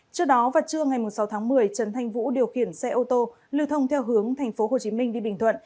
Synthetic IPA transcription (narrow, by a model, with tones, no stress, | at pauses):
t͡ɕɨ˧ək̚ɗɔ˨˦vaː˨˩t͡ɕɨ˧əŋa˨˩jmu˨˩sa˨˦wt̪ʰaː˨˦ŋmɨ˨˩əjt͡ɕə˨˦nt̪ʰa˧jŋ̟vṵ˧˥ɗi˨˩əwxi˧˩ənsɛ̰˧ʔo˧t̪o˧ | li˧wt̪ʰə˧wŋ͡mt̪ʰɛ˧wɦɨ˨˦əŋt̪ʰa˨˩jŋ̟fo˨˦ɦo˨˩t͡ɕi˨˦mï˧ŋ̟ɗi˧ɓï˨˩ŋ̟t̪ʰwə̰˧˨n